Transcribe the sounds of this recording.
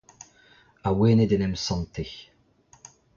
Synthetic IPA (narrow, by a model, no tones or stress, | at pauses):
aweːnɪd̪ɛnɛmsɔ̃nt̪iç